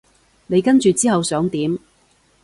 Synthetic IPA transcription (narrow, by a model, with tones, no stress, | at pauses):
ne˨˧jkɐ˥nt͡ʃyː˨t͡siː˥ɦɐ˨wsœː˨˥ŋt̪iː˨˥m